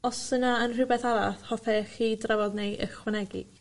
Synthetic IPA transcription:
ɔsənaənr̥ɪbɛθaɾaθhɔfʰɛχiːdravɔðnejʔə̰χwanɛɡḭ

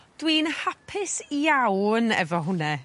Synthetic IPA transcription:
d̥wiːnhapʰɪsjawnɛ̰vɔɦʊnɛ

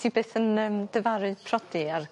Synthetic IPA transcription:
ibeːθənəmd̥əvaɾɨ̥pʰrɔdiar

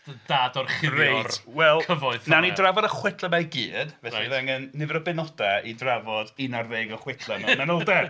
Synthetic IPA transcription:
d̥ədaːdɔrχɪrejtwɛlˠkʰəvɔɨθnanidravɔdəχwɪtʰlˠəmaɡiːdvɛiðaŋənːɪvɛɾəbɛnɔdaidravɔdinarveːɡəχwɪtʰlˠɛmmɛnɔlˠdɛ

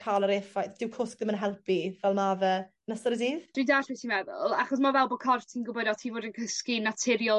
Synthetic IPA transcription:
kʰalˠəɾeːfajθd̥ɪwkʰʊsk̚ðɪmənɦɛlˠpʰivɛlˠmavə | nəsəɾəziːðd̥ɾidaʃvɛθimɛvɛ̰lˠaχɔs̬mavɛlˠbɔkʰɔrtʰiːnɡʊbɔdɔtʰiːvoːdənkʰəskinatʰɪɾjɔ

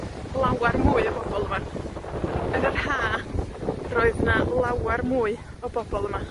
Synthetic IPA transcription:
lˠawarmuːɨɔbɔbɔlˠəma | ənərhaː | roɨðnalˠawarmuːɨ | ɔbɔbɔlˠəma

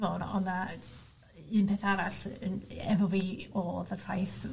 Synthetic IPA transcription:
ɔnɔ̰na | ɨːnpʰeːθaɾaɬənɛvɔviːɔðər̥ajθ

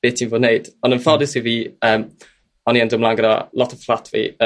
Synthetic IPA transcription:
eːtʰinvoːdneɨd̥ɔnənfɔdɪsiviːəːm | ɔniəndəmlaːnɡəɾa̰lˠɔtʰəflˠatʰvḭ

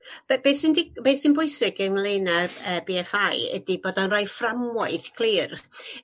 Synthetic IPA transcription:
b̥b̥esɪndib̥esɪnbʊɨsɪɡənlˠeːnaəːbiɛfajə̰diboːdɔnrajframɔɨθkʰl̥ˠiːr

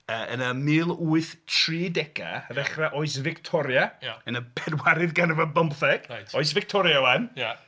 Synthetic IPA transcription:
əːə̰nəmɨːlˠuːɨθtʰriːdɛɡa̰aðɛχraʔɔɨs̬vɪktʰɔɾjaənəbʰɛrwaɾɨðɡanəvabɔmθɛɡ̥ɔɨs̬vɪk̚tʰɔɾjawanja

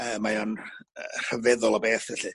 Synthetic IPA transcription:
əːmːajɔnər̥əvɛðɔlˠabeːθɛɬɨ

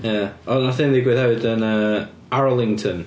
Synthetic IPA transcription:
jaɔnaθɪnðɪɡwɪðhɛvɪdənə | aɹɔlˠɪŋtʰən

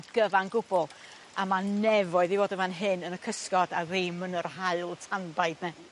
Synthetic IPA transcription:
dɡ̥əvanɡʊbɔlˠ | amanɛvɔɨðivoːdəmanɦɪnənəkʰəskɔdaremənərhaɨlˠtʰanbaɨdnɛ

